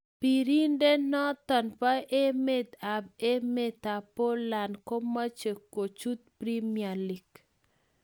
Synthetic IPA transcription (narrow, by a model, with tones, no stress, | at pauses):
pi˨ɾi˦nde˦nɔ˦t̪ɔ˨npa˦ʔe˦me˦t̪a˨b̚e˦me˦t̪a˨po˦la˨nko˦ma˦t͡ʃe˨kːo˨t͡ʃu˦t̪̚pɾi˦mia˨li˨k